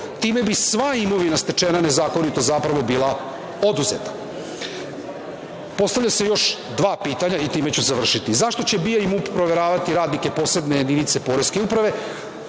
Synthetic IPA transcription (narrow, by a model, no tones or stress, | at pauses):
t̪iːme̞bisʋaimo̞ʋinast̪e̞t͡ʂenane̞zaːko̞nit̪o̞zapɾaʋo̞biːlˠa | o̞d̪uze̞̰t̪ḁ | po̞st̪aʋʎase̞jo̞ʃ | d̪ʋaːpiːt̪aɲait̪iːme̞t͡ɕuzaʋr̩ʃit̪izaʃt̪o̞t͡ɕe̞bijaimuppːɾo̞ʋe̞ɾaːʋat̪iɾaːd̪nike̞po̞ːsle̞d̪ne̞je̞d̪init̪se̞po̞ɾeskeupɾaʋe̞